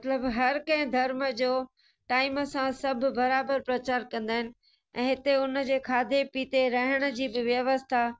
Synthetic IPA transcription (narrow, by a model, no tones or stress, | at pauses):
mɐt̪ləbɦɐɾkɐ̃ɦɪ̃d̪ʱɐɾməd͡ʑoː | ʈaːɪməsãsɐbʱbɐɾaːbəɾpɾɐt͡ɕaːɾkɐ̃nd̪aːɦɪnɪ̆ | ɛ̃ːɦɪt̪eʊnəd͡ʑeːkʰaːd̪ʱepiːt̪eɾɐɦɪɽ̃ə̆d͡ʑiːbɪʋjɐʋəst̪ʰa